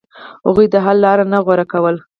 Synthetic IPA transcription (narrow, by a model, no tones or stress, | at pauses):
hʊ̰ɣujd̪əɦalːɑɾanaɣaɾakawəl